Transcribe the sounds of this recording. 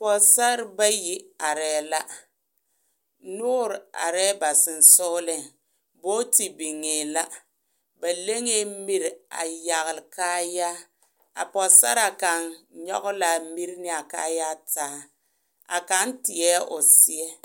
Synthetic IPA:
pɔ˨sa˦ɾba˦ji˦a˨ɾɛː˦la˦ | nʊː˦ɾa̰˨ɾɛː˦ba˨sɪ˨n̩˨sʊ˦lɪ˨ŋ | boː˦ti˨bi˨ŋeː˨la˦ | ba˨le˦ŋe˦mi˦ɾa̰˨ja˨ɣlɪ˨kaː˦ja˦ | a̰˨pɔ˨sa̰˦ɾa˨ka˨nɲɔ̰˦ɣʊ˦la˨mi˦ɾnɪ˦a˨ka̰ː˦ja˦taː˦ | a̰˨ka˦ntɪ˨ɛː˦ʊ˨sɪ˦ɛ˦

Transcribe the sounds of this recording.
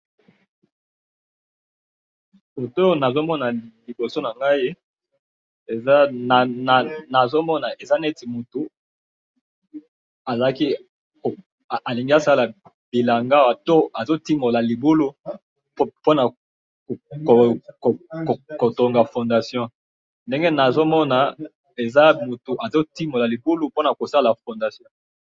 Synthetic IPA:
o˨to˦˨na˨zo˦mɔ˦na˨li˨bo˨so˦na˨ŋɡa˦i˦ | e˨za˦na˨na˨na˨zo˦mɔ˦na˨ʔe˨za˦nɛ˦ti˨mo˨tu˨ | a˨za˨la˦ki˦ | o˨ | a˨li˨ŋɡi˦a˨sa˦la˨ | b̥i˨la˨ŋɡa˦wa˨to˦a˨zo˦ti˦mo˨la˨li˨bu˦lu˦ | po˦na˨ | ko˨ko˨kko˨to˨ŋɡa˨fɔ̃˨nda˨sjɔ̃˦ | nde˦ŋɡe˦na˨zo˦mɔ˦na˨ | e˨za˦mu˨tu˨ʔa˨zo˦ti˦mo˨la˨li˨bu˦lu˦po˦na˨ko˨sa˦la˨fɔ̃˨nda˨sjɔ̃˦

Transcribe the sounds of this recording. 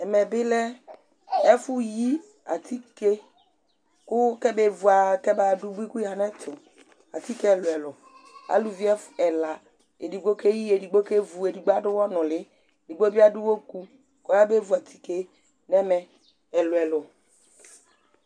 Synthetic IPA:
ɛ˨mɛ˨bɪ˦lɛ˦ | ɛ˦fʊ˦ji˦ | a̰˨t̪ʰi˦ke˦ | kʊ˦kɛ˦be˦vu˨a˨kɛ˦ba˨ɖu˦bu˦i˦ku˦jɦa˦nɛ˦t̪ʰʊ˨ | a̰˨t̪i˦kɛ˦˨lʊ˨ɛ˨lʊ˨ | a̰˨lu˨vi˦ɛ˦fɛ˨la˨ | ḛ˨di˨ɡ͡bo˦ke˦ji˦e˨di˨ɡ͡bo˦ke˦vu˨e˨di˨ɡ͡ba˦ɖʊ˦wɔ˦nʊ̃˨lɪ˦˨ | di˨ɡ͡bo˦bi˦a˦dʊ˦wo˦ku˦ | kɔ˦ja˦be˦vu˨a˨t̪ʰi˦ke˦ | nɛ˦mɛ˨ | ɛ˨lʊ˨ɛ˨lʊ˨

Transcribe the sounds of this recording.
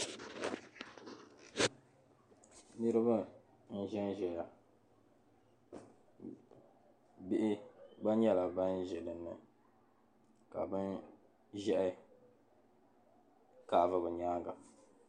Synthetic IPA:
nɨ˦ɾɨ˦ba˦ | n̩˦ʒɛ˦nʒɛ˨ja˨ | bɪ˦ʔɪ˦ba˦nɲɛ˦la˨ba˦nʒɛ˨dɨ˨nːɨ˨ | ka̰˨bɨ˦n | ʒɛ˦ʔɪ˦ | kaː˨vɨ˦bɨ˨ɲaː˦ɡa˨

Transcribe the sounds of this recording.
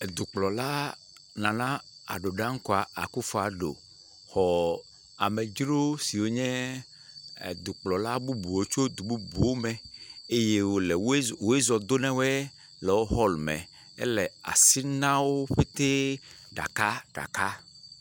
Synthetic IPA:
e˨d̪u˨k͡plɔ˨la˦ | nã˨nã˦a̰˨ɖo˨ɖã˦ŋ̩˦kɔ˨a˨a̰˨ku˦fo˦a˨ɖo̰˨ | xɔ˨ | a˨me˨d͡ʒɾo˦si˨wo˦ɲɛ̃˦˨ | d̪u˨k͡plɔ˨la˦bu˦bu˨wo˦t͡ʃo˦d̪u˨bu˦bu˨wo˦mɛ̃˨e˦je˦wo˨le˨wwo˨e˦zɔ˨d̪o˦nɛ̃˦wɛ˦ | lɛ˨wo˦ɦɔ˦lmɛ̰̃˨ | ḛ˦lɛ˨a̰˨si˦nã˦wo˦ɸe˦t̪e˦ | ɖa̰˨ka˦ɖ̥a̰˨ka˦

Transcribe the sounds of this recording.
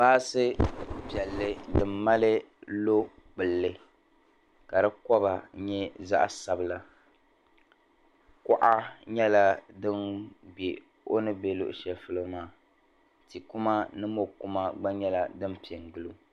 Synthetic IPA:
baː˦sɨ˦pjɛ˨lːɨ˦dɨ˨mː˦a˦lɨ˦lo˦ | k͡pɨ˨lːɨ˨ | ka˨dɨ˦kɔ˦ba˨ɲɛ˦za̰˦ʔsa˨bɨ˦la˦ | kʊ˦ʔa˦ɲɛ˦la˦dɨ˦nɡ͡bi˨ | o˦nɨ˦be˦lʊ̰˦ʔʃɛ˨lfɨ˦lɨ˦maː˦˨ | ti˨ku˦ma˦nɨ˦mo˦ku˦ma˦ɡ͡ba˦ɲɛ˦la˨dɨ˦mpi˨ɛ˨ŋɡɨ˦lu˦

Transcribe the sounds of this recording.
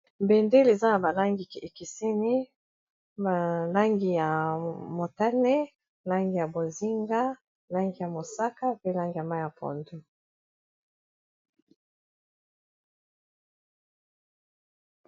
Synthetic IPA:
mbe˨nde˦le˨za˦na˨ba˨la˦ŋɡi˨e˨ki˨se˦ni˦ | a˨la˦ŋɡi˨ja˨mo˨ta˦ne˦ | la˦ŋɡi˨ja˨bo˨zi˦ŋɡa˦ | la˦ŋɡi˨ja˨mo˨sa˦ka˦pe˦la˦ŋɡi˨ja˨ma˦˨ja˨pʰɔ̰˨ndu˦

